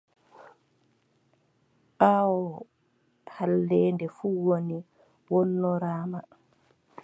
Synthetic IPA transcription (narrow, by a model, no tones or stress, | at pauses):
ʔawɔ | halːɛːndɛfuːwoni | wɔnːɔɾaːma